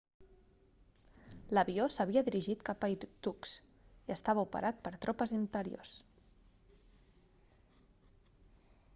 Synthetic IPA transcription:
ləβiosəβiəðiɾiʒit̪kapəit̪uks | iəst̪aβəupə̰ɾʔat̪̚pəɾt̪ɾʔɔpəzint̪əɾio̰s

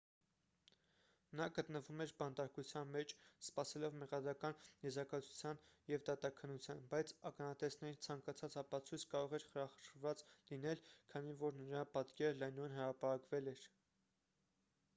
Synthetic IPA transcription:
nɑɡət̪nəvumɛɾbɑnt̪ɑɾkut͡sʰjɑnmɛt͡ʃʰspɑsɛlɔvmɛʁɑd̪ɾɑkɑnjɛzɾɑkɑt͡sʰu̥t͡sʰjɑnjɛvd̪ɑt̪ɑkʰənːut͡sʰjɑnbɑjt͡sʰɑkɑnɑt̪ɛsnɛɾit͡sʰɑŋkɑt͡sʰɑt͡sɑpɑt͡sʰujt͡sʰkɑɾɔʁɛɾχəɾɑχəʃvɑt͡slinɛlkʰɑnivɔɾnəɾɑpɑt̪kɛɾəlɑjnujənɦəɾɑpɑɾɑkvɛlɛɾ

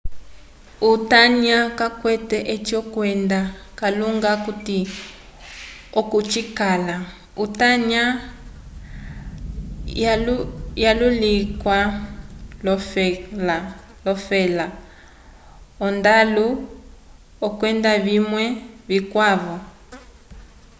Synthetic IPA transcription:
utaɲakakwɛtɛʔɛt͡ʃɔkwɛndakaluŋɡakuti | ɔkut͡ʃikala | utaɲa | jalulikwa | lɔfla | lɔfɛla | ɔndalu | ɔkwɛndaβimwɛβikwaβɔ

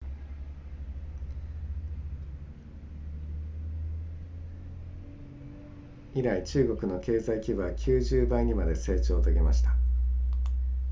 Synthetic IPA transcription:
iɾait͡ɕɨːɡo̞kɯ̟no̞ke̞ːzaikʲibɯ̟βakʲʰɨːʑɨːbãŋ̟imad̪e̞se̞ːt͡ɕo̞ːt̪oɡʲemaɕi̥t̪a

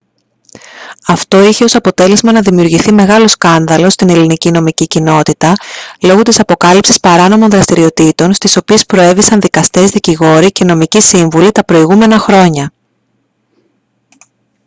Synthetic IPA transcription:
ɐft̪o̞içe̞o̞sɐpo̞t̪e̞le̞zmɐnɐðimiuɾʝiθime̞ɣɐlo̞skɐnðɐlo̞st̪ine̞linicino̞micicino̞t̪it̪ɐlo̞ɣut̪isɐpo̞kɐlipsispɐɾɐno̞monðɾɐst̪iɾio̞t̪it̪o̞nst̪iso̞pie̞spɾo̞e̞visɐnðikɐst̪e̞zðiciɣo̞ɾice̞no̞micisiɱvulit̪ɐpɾo̞iɣume̞nɐxɾo̞ɲɐ

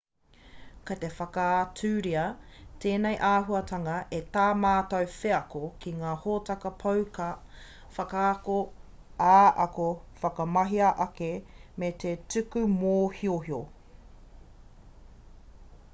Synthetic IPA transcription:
kɐt̪efɐkaatʉːɾiɐtʰeːnejʔaːɦuɐtʰɐŋɐʔetaːmaːtɐwfeɐkokʰiŋaːhotɐkɐpʰɐwkɐ | fɐkaːko | aːʔɐkofɐkɐmɐɦiɐʔɐkemet̪ʰetʉkʉmoːhioɦio

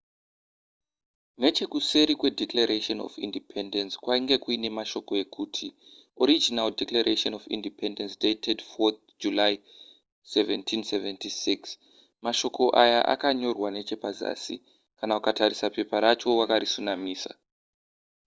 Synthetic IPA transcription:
ne̞t͡ʃe̞kuse̞ɾikwe̞dʱeklaɾeʃono̰fḭndipʰendenskwaiŋɡe̞kuine̞maʃo̞ko̞e̞kʰuːtʰi | oɾid͡ʒinaldeklaɾʔeʃonofḭndipʰendensdetʰedfot̪̚ | d͡ʒulaj | seventʰinseventisiks | maʃo̞kʰo̞ʔajaʔa̰kaɲo̞rwane̞t͡ʃe̞paza̰ːsḭ | kanaukatarisape̞paɾat͡ʃo̞wakaɾisunamiːsa̰

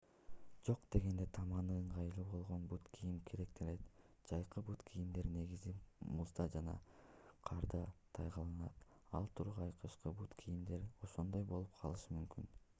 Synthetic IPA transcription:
d͡ʒo̞qd̪̥e̞ɡe̞nd̪et̪ʰɑmɑnɯɯɴʁɑjɯlˠuːbo̞lˠʁo̞nbut̪kʰijimkʰe̞ɾe̞k̚t̪ʰelet̪ | d͡ʒ̥ɑjqɯbut̪kʰijimd̪e̞ɾne̞ɡizimuzd̪ɑd͡ʒɑnɑ̰qʰɑɾd̪ɑt̪ʰɑjʁɑlˠɯnɑt̪ | ɑ̰lˠt̪ʰuɾʁɑɑjqɯʃqɯbut̪kʰijimd̪e̞ɾo̞ʃo̞nd̪o̞jbo̞lˠup̚qʰɑlˠɯʃɯmymkyn

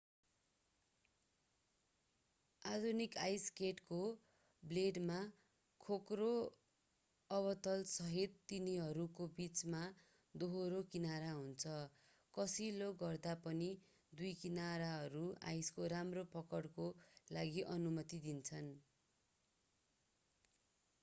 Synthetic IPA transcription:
ad̪ʱunikajskeʈko | bleɖma | kʰokro | ʌβʌt̪ʌlsʌɦit̪ːiniɦʌɾukobit͡sma | d̪oɦoɾokinaɾaɦunt͡sʰʌ | kʌsiloɡʌrd̪apʌni | d̪ujkinaɾaɦʌɾua̰jskoɾamropʌkʌɽkolaɡiʔʌnumʌt̪id̪int͡sʰʌn

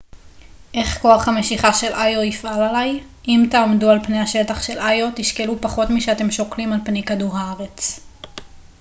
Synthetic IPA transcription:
ʔe̞χko̞aχhame̞ʃiχaʃe̞lʔajoifʔalalaj | ʔimtaomdualpnehaʃe̞taχʃe̞lʔajo̞tiʃke̞lupaχo̞tmiʃeate̞mʃo̞klimalpnejkaduʁhaaʁet͡s

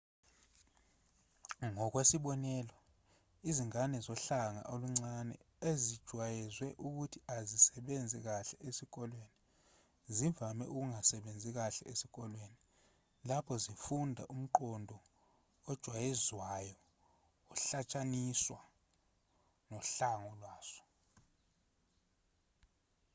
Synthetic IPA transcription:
ŋɔk̬wesiɓɔnɛːlɔ | iziŋanɛzɔɬaŋa̰ʔoluŋ͡ǀanɛ̰ | ezid̥ʒ̥ʱwajɛzwɛʔuk̬utʰiazisɛɓend͡zʱɛk̬aɬɛesik̬ʼɔlweːni | ziɱvʱamɛ̰ʔuk̬uŋasɛɓend͡zʱik̬aɬɛ̰esik̬ʼɔlweni | lapʰɔzifundʱaʔum̩ǃɔndʱɔ | ɔd̥ʒ̥ʱwajɛzwajɔː | ɬat͡ʃʼaniswa | nɔɬaŋɔlwaːsɔ̥

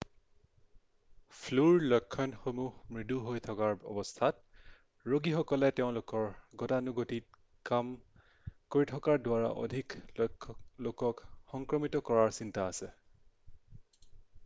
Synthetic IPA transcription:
pʰluɹlɔkʰːɔnxomuhmɹiduɦojtʰɔkaɹɔ̰bɔstʰat̚ | ɹoɡixɔkɔlɛteʊ̃lʊkɔɹɡɔtanuɡotit̚ | kam | koɹitʰɔkaɹdʊwaɹa̰ʔɔ̰dʱiklɔkʰːlokɔkxɔŋkɹɔmitɔkɔɹaɹsintaːsɛ

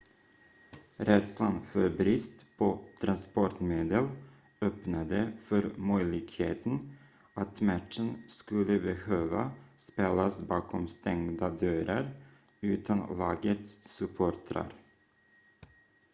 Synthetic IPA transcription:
ɾɛt̪slanfœɾbɾɪst̪pʰɔt̪ʰɾanspɔʈmeːd̪əl | œpnad̪əfœɾmœʏlɪɡheːt̪n̩ | at̪mæʈʃənskɵlːəbɛhøːʋa̰speːlasbɑːkʰɔmst̪ɛŋd̪ad̪øːɾəɾ | ʉːt̪ʰanlɑːɡət̪ssɵpʰoːʈʰɾa̰ɾ

